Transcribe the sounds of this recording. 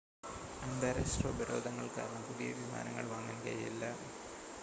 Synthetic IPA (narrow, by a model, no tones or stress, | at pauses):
ɐnd̪ɐɾɐsʈrɐbɐɾo̞ːd̪ʱɐŋːɐɭkaːɾɐɳɐmpuðijɐ̰ʋima̰ːnɐŋːɐ̰ɭʋɐŋːɐnɡɐḭlːɐ